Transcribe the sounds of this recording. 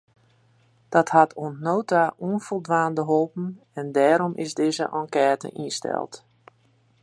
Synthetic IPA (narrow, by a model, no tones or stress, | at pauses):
d̥ɔthatʰoənnoːtauənfolˠdʋaːndəɦolˠpn̩ | ɛndɛːɾɔmʔɪsdɪːzə̰ʔɑ̃ŋkɛːtə̰ʔinstɛ̰lˠt